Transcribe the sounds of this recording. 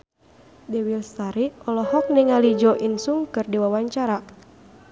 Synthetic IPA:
dɛwilst̪aɾiɔlɔhɔk̚niŋalid͡ʒɔʔinsuŋkɨrdiwawaɲt͡ʃaɾa

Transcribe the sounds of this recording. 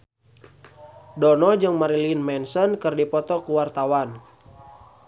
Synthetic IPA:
dɔnɔd͡ʒɨŋmaɾilinmɛnsənkɨrdipɔt̪ɔkuwart̪awan

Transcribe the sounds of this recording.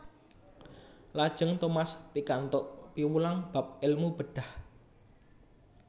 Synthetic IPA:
lad̥ʒ̥ə̤ŋt̪omaspikant̪oʔpiwulaŋb̥a̤p̚ɪlmub̥əɖ̥a̤h

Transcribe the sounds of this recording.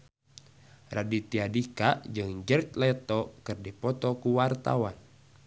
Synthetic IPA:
radit̪iadikad͡ʒɨŋd͡ʒərt͡ʃlɛt̪ɔkɨrdipɔt̪ɔkuwart̪a̰wan

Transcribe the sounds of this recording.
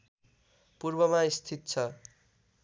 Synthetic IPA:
purbʌmaist̪ʰit̪̚t͡sʰʌ

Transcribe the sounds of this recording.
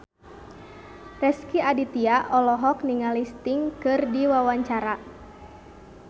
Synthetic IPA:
rɛskiadit̪iaʔɔlɔɦɔk̚niŋalist̪iŋkɨrdiwawaɲt͡ʃaɾa

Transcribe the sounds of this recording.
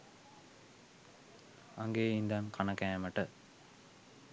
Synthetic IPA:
aŋɡeːind̪aːnkanɐkæːmɐʈə

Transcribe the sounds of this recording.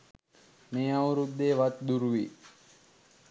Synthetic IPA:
meːawɾud̪ːeːʋat̪d̪uɾuʋi

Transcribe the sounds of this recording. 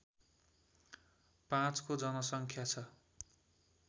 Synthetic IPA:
pãt͡skod͡zʌnʌsʌŋkʰjat͡sʰʌ

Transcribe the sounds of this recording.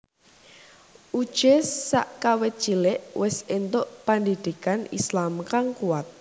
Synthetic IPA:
ʔud̥ʒ̥esa̰ʔkawɪt̪̚t͡ʃilɪʔwɪsent̪oʔpand̪id̪̥i̤kanḭslamkaŋkuwat̪̚

